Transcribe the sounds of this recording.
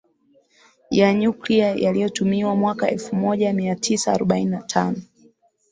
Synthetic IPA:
jaɲukliajalijɔtumiwamwakaɛlfumɔʄamiatʰisaːɾɔɓaininatʰa̰nɔ

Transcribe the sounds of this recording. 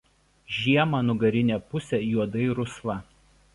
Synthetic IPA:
ʒʲiɛmɑːnʊɡɐɾʲɪnʲɛˑpʊsʲɛjuɔd̪ɐɪɾʊslˠɐ

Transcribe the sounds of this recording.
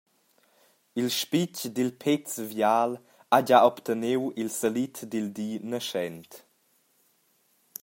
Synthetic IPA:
ilʃpit͡ʃdilpʰet͡svjaːl | aɟaɔpt̪ʰənewilsəlitdildiːnəʃɛnt

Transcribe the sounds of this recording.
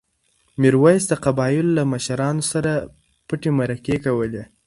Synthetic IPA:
mɪɾwajsd̪əqabɑjɪllamaʃaɾɑnosaɾa | pəʈemaɾakekawəle

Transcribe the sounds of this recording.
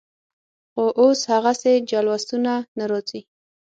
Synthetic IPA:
xoʔoshaɣased͡ʒalwast̪unanaɾɑt͡si

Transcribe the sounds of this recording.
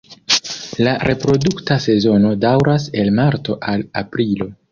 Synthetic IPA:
laɾʔe̞pɾo̞duktase̞zo̞no̞dawɾase̞lmaɾto̞ʔala̰pɾilo̞

